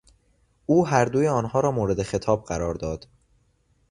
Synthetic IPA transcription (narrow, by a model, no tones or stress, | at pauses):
ʔuːɦæɾd̪uːjeɒːnhɒːɾɒːmoːɾe̞d̪exe̞t̪ʰɒːb̚ɢæɾɒːɾd̪ɒːd̪̥